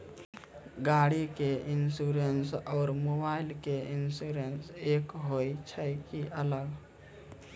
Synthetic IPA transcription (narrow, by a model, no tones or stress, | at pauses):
ɡaːɽikeʔɪnsuɾensɔːɾmobaːɪlkeɪnsuːɾenseːkɦoːit͡ʃʰəjkiʔələɡ